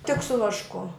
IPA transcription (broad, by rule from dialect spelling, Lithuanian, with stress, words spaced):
tʲɪk sʊ ʋɐʃˈkʊ